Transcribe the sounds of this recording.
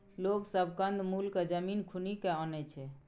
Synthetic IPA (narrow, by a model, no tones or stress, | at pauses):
loksəbʱkənd̪mulked͡ʒəminkʰunikeɔnɛt͡ʃʰɛ